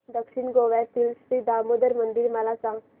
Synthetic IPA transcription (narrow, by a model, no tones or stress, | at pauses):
d̪əkʂinɡoʋɛt̪ilst̪id̪amod̪əɾmənd̪iɾməlasãŋɡ